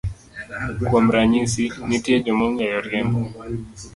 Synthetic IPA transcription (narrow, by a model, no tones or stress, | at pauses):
kwomɾaɲisinitjed͡ʒomɔŋjajɔɾjɛmɔ